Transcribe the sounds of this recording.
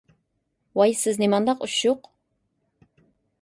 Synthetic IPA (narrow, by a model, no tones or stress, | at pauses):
wajsɨznɪmɑnd̪ɑqʊʃoq